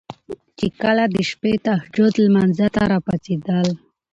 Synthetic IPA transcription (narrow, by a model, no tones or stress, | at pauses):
t͡ʃekəlad̪əʃpet̪ahd͡ʒʊd̪lmanzat̪aɾɑpat͡sed̪əl